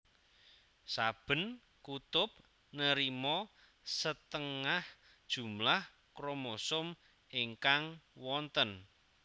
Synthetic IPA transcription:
sab̥ə̤n | kut̪ʊp̚ | nəɾimɔ | sət̪əŋah | d̥ʒ̥ṳmlah | kɾomosʊm | eŋkaŋwɔnt̪ən

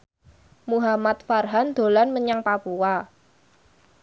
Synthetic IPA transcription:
muɦamat̪̚farɦand̪̥o̤lanməɲaŋpapua

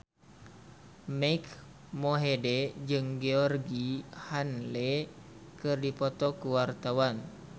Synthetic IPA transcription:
mak | moɦedɛd͡ʒɨŋɡeɔrɡihanlekɨrdipɔt̪ɔkuwart̪awan

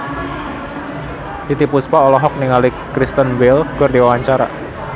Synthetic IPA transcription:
t̪it̪ipuspaɔlɔɦɔk̚niŋalikɾist̪ənwɪlɡ̥ʊrd̪iwawaɲt͡ʃaɾa̰

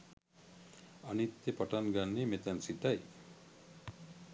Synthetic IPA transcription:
anit̪ːjepaʈanɡanːemet̪ɛnsit̪aj

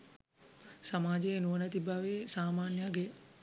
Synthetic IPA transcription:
samaːd͡ʒejenuʋənət̪ibaʋesaːmaːnjaɡe

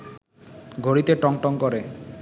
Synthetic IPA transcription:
ɡʱoɾit̪eʈɔŋʈɔŋkɔɾe

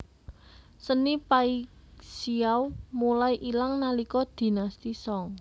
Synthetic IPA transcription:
sənipaiksiawmulajʔilaŋnalikɔd̪̥i̤nast̪isɔŋ

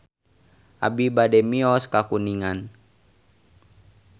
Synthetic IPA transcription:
ʔa̰bibadɛmiɔskakuniŋan

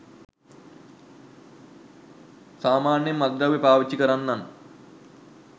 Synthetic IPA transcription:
saːmaːnjemːɐd̪̚ɡaʋepaːʋit͡ɕːikəɾanːan

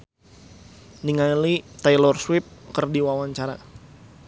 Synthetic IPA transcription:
niŋalit̪ajlɔrswɪp̚kərdiwawaɲt͡ʃaɾa̰

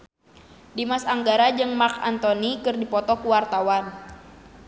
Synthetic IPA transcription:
dimasaŋɡaɾad͡ʒɨŋmaka̰nt̪ɔnikɨrdipɔt̪ɔkuwart̪awan

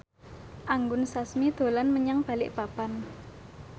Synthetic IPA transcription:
ʔaŋɡʊnsasmid̪̥o̤lanməɲaŋb̥a̤lɪ̰ʔbapan

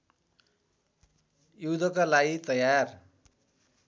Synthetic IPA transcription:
jud̪ʌkalaɡit̪ʌjar

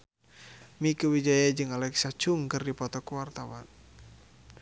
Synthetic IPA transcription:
mikuwid͡ʒajad͡ʒɨŋalɛksat͡ʃuŋkɨrdipɔt̪ɔkuwart̪awa̰n

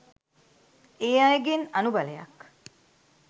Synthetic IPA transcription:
eːajeɡenɐnubɐlejɐ̰k

